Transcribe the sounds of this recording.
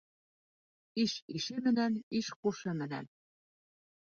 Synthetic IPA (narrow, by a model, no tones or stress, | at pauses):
iʃiʃemɘ̆næniʃkuʃĕmɘ̆næ̰n